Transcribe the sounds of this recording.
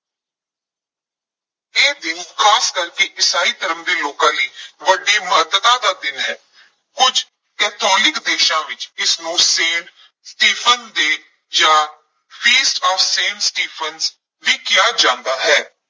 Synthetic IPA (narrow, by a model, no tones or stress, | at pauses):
eːd̪ɪnkʰaːskəɾkeʔɪsaːiːt̪əɾəmd̪eːloːkãːliːʋəɖːeːməɦəd̪ət̪ãːd̪aːd̪ɪnɦɛː | kʊd͡ʒ | kɛːt̪ʰɔːlɪkd̪eːʃãːʋɪt͡ʃɪsnũːsẽːn | sʈiːpʰənd̪eː | d͡ʒãː | fiːsʈɔːfsẽːnsʈiːpʰənz | ʋiːkɪjaːd͡ʒãːnd̪aːɦɛː